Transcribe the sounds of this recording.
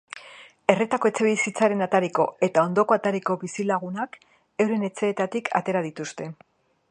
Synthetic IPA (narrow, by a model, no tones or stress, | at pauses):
e̞ret̪ako̞e̞t͡se̞βisit͡saɾe̞nat̪aɾiko̞̰e̞t̪ao̞nd̪o̞ko̞at̪aɾiko̞βisilaɣ̞unak | e̞wɾe̞ne̞t͡se̞ːt̪at̪ikʰa̰t̪e̞ɾað̞it̪ust̪e̞